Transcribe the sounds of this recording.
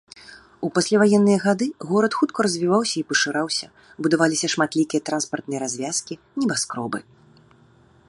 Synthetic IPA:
upasʲlʲavajɛnːɨjɐɣad̪ɨɣɔɾɐt̪xut̪kɔɾɐzʲvʲivawsʲɐipɐʂɨɾawsʲɐ | bud̪avalʲisʲɐʂmat̪lʲikʲijɐt̪ɾanspɐrt̪nɨjɛɾazʲvʲaskʲi | nʲɛbaskɾɔbɨ

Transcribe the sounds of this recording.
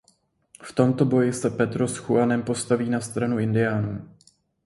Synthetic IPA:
ft̪o̞mt̪o̞bo̞jɪsɛpɛt̪ɾosxuanɛmpo̞st̪aviːnast̪ɾanuʔɪndɪjaːnuː

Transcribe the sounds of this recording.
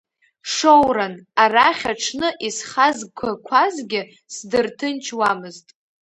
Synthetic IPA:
ʂowɾanaraχʲaʈ͡ʂʰnɨʔisχazkʷʰakʷʰazɡʲɪ | sdɨrtʰɨnt͡ʃʰwamɨztʼ

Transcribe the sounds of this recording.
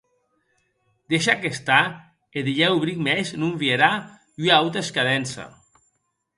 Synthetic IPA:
d̪eʃakest̪a | eðiʎɛuβɾikmɛznuɱvieɾa | ʎuawt̪eskaðɛnsa̰

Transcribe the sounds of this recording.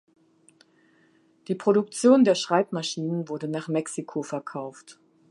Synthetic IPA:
d̥iːpʁ̥oɾʊk̚t͡sjoːndeːɐʃʁ̥aɪpmaʃiːnənvʊɐdənaːχmɛksikʰofɛɐkʰaʊft

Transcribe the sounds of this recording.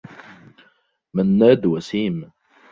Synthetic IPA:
manːaːd̪wasiːm

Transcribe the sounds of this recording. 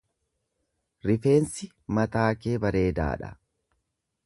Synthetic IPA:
ɾɪfe̞ːnsɪ | mɐt̪aːke̞ːbɐɾe̞ːd̪a̰ːᶑɐ̰

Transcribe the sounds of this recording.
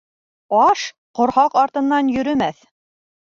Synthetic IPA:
ɑʃ | qŏɾhɑqɑɾt̪ɤ̆nːɑnjɵ̆ɾɵ̆mæθ

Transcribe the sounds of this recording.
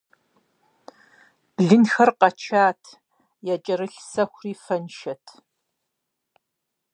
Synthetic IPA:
b̥ɮɨnxɐrqɐt͡ʃʰaːtʰ | jat͡ʃʼɐɾɨɬsɐxʷriːfɐnʃɐtʰ

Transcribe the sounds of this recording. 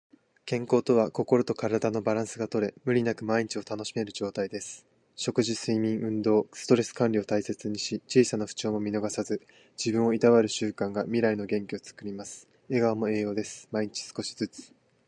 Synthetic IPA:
kẽ̞ŋko̞ːt̪o̞β̞ako̞ko̞ɾo̞t̪o̞kaɾad̪ano̞baɾãɰ̃sɨɡat̪o̞ɾe̞mɯ̟ɾʲinakɯ̟maiɲ̟it͡ɕio̞t̪ano̞ɕime̞ɾɯ̟ʑo̞ːt̪aid̪e̞sɨ̥ | ɕo̞kɯ̟ʑisɨimʲĩɰ̃ʔɯ̟̃nd̪o̞ːsɨ̥t̪o̞ɾe̞sɨ̥kãnʲɾʲio̞t̪aise̞t͡sɨɲ̟iɕit͡ɕiːsanaɸɯ̟̥t͡ɕo̞ːmo̞mʲino̞ɡasazɨ | d͡ʑibɯ̟̃ɰ̃o̞it̪aβaɾɯ̟ɕɨːkãŋɡamʲiɾaino̞ɡẽ̞ŋkʲio̞t͡sɨ̥kɯ̟ɾʲimasɨ̥ | e̞ɡaβamo̞e̞ːjo̞ːd̪e̞sɨ̥maiɲ̟it͡ɕi̥sɨ̥ko̞ɕi̥zɨt͡sɨ̥

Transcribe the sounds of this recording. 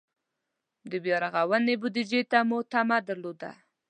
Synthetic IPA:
d̪əbjɑɾaɣawənebʊd̪id͡ʒet̪amʊt̪amad̪əɾlod̪a̰

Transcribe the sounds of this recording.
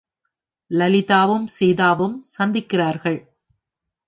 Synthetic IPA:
lɐlɪðaːʋɯmsɛjðaːʋɯmsɐnd̪ɪkːɪraːɾɣɐɭ

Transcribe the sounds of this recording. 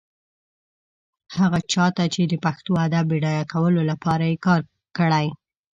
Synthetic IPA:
haɣat͡ʃɑt̪at͡ʃed̪əpaxt̪oad̪abeɽɑjakawəlolapɑɾajekɑɾ | kəɽaj

